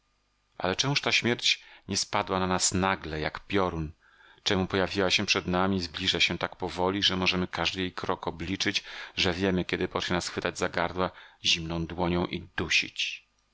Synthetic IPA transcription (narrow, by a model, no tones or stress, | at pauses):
ʔa̰lɛt͡ʂɛmuʂt̪aɕmʲjɛɾt͡ɕɲɛspad̪wananasnaɡlɛja̰kpʲjɔɾun | t͡ʂɛmupɔjavʲiwaɕɛpʂɛd̪namʲizblʲiʐaɕɛt̪akpɔvɔlʲiʐɛmɔʐɛmɘkaʐd̪ɘjejkɾɔkɔblʲit͡ʂɘd͡ʑʐɛvʲjɛmɘkʲɛd̪ɘpɔt͡ʂɲɛnasxfɘt̪ad͡ʑzaɡaɾd̪waʑimnɔ̃w̃d̪wɔɲɔ̃w̃ʔḭd̪uɕḭt͡ɕ